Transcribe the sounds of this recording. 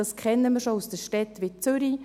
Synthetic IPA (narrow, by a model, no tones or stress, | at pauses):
ɑskʰɛnːəmiːɾʃousd̥əʃtɛtʋɪt͡sʏɾi